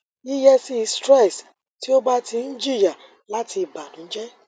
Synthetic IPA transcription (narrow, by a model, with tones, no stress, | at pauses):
i˦jɛ˦si˦i˧stɾɛ˦˨s | ti˦o˦ba˦tʰi˧n̩˦d͡ʒi˦˨ja˨ | la˦ti˧˨ba˨nũ˨˦d͡ʒɛ˦